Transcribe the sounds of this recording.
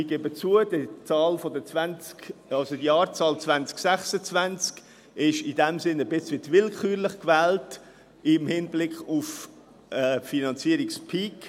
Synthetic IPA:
ɪɡ̥eːbət͡suəd̥ət͡sɑːlfɔdət͡svænt͡skɑlsodiɑːɾt͡sɑːlt͡svænt͡sksæχsət͡svænt͡sk | ɪʃidɛmsɪnəbɪt͡sʋɪtvɪlkχyːɾlɪχkvɛːlt | ɪmhɪnblɪkχuf | ɛːfinɑnt͡siəɾikspʰik

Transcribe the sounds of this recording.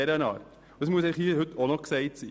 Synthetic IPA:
ɛɾənɑ̰ːrt | dəsmuəs̬ɛɪχhiːhʏtʰonɔkseɪtsḭː

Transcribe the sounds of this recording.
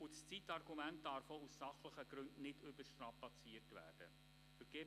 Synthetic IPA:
ʊst͡sitɑrɡumænt̚d̥ɑɾfousːɑχləχəɡɾɵndnɪdʏbəʃtɾɑpɑt͡siərtʋæ̰ːrd̥ə | fəɾɡeː

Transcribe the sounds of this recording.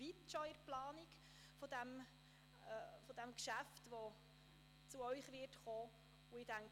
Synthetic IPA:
itʃɔɪɾplɑːnik | fɔd̥æmː | fɔd̥æmkʃæftʋo | t͡suœʏχʋɪtχoː | ʊɪd̥æŋk

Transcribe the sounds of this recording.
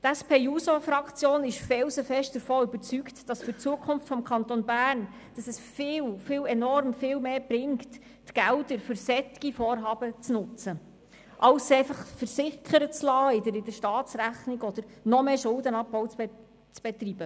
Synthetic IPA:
tæspʰeːjusofɾɑkt͡sjoːnɪʃfɛwsəfɛʃt̚d̥əɾfɔːʏbəɾt͡syktd̥ɑsfɵɾt͡suəkʰχʊmftfɔmkʰɑnt̪onbæːɾrn | d̥ɑsɛsfɪːwfɪːwɛnɔɾmfɪːwmeːbɾɪŋktː | ɡ̥ældəɾfʏɾsɛtɪ̥ɡ̥ifoːɾɦɑːbət͡snʊt͡sə | ʔɑwsɛɪfɑχfəɾsɪkʰːəɾət͡slɑːɪdəɾɪdəɾʃtɑːtsɾæχnɪɡɔd̥̪əɾnɔmeːʃʊldənɑp̚bɔwt͡s | t͡sb̥ɛt̪ɾib̥ə

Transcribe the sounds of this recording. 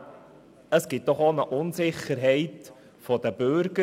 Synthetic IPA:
əsɡ̥ɪt̚d̥ɔχonəʔʊnzɪχəɾɦɛɪt | fɔd̥̪əbʏɾɡə

